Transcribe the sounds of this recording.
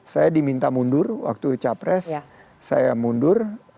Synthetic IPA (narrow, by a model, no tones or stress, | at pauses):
sajadimint̪amundʊrwa̰k̚t̪ut͡ʃapɾɛsː | ajamundʊr